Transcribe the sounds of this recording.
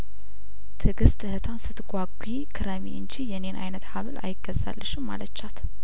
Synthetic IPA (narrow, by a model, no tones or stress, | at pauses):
t̪ʰɨɡɨst̪ʰːɨhɨt̪ʰansɨt̪ɡʷaɡʷi | kʰɨɾəmḭʔɨnt͡ʃijɛne̞nʔa̰jnət̪haβɨla̰jɪɡ̥ːəzːa̰lːəʃɪmːa̰lət͡ʃːat̪